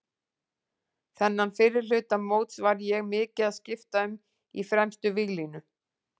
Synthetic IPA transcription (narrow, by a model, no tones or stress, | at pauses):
θɛnːanfɪːɾɪɾ̥lʏːt̪amoːwt̪svaɾjɛɣmɪːcɪðaðscɪft̪aʏm | ḭfɾɛmst̪ʏviɣlinʏ